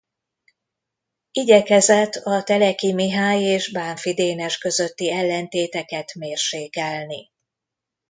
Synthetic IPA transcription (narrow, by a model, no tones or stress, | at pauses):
iɟɛkɛzɛt̪ʰːɒt̪ɛlɛkimiɦaːjeːʒbaːɱfid̪eːnɛʃkø̞zø̞t̪ːiɛlːɛnt̪eːt̪ɛkɛt̪meːrʃeːkɛlni